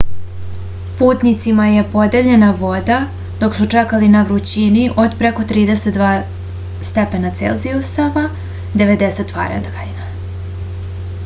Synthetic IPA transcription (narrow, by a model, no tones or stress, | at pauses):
puːt̪nit̪simaje̞po̞d̪e̞ʎe̞naʋo̞d̪a | d̪̥o̞ksut͡ʂekalinaʋɾut͡ɕiniʔo̞d̪pɾeko̞t̪ɾiːd̪eset̪d̪ʋaː | st̪epenat̪sḛlˠziost̪aʋa | d̪e̞ʋe̞d̪eset̪ːʋa̰ːɾḛd̪ɡaina